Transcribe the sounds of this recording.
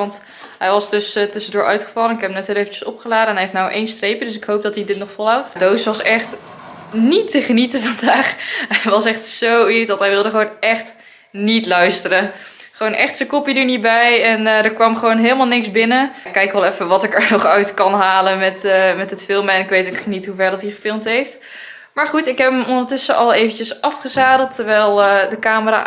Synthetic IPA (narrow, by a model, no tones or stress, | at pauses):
ɑnt | ɦɛjʋɑsdɵstɵsəndʊːʔœ̰ɥtχə̥fɑlˠənɪkɦɛpəmnɛtɦɪːlˠejvət͡ʃə̥sɔpχəlaːdəɛnɦɛeftnawʔejnstrejpjədɵsɪkɦowp̚dɑtidɪtnɔχfɔlˠɦawtdowsʋɑsɛχt | nitəχənitəvɑndaːχɛjʋɑsɛχtsowidɔtɦɛjʋɪlˠdəχʋownɛχt | nitlœɥstərə | χəʋoːnʔɛχtsəkɔpidəɹnibɛjɛndəɹkʋɑmχəʋoːnɦeːlˠəmalˠnɪksbɪnəkːɛjkʋɛlˠɛfəʋɑtɪkəɹnɔχœɥtkɑnɦaːləmɛtmɛtətfɪlˠmɛnɪkʋejtokχənitɦuvɛɹdɑtiχəfɪlˠmtɦejft | maːɹχutɪkɦɛpəmɔndəɹtʏsəʔɑlˠejvəncəsɑfχəzaːdəl̩ˠtʰːəɹʋɛjlˠdəkaːməra̰ː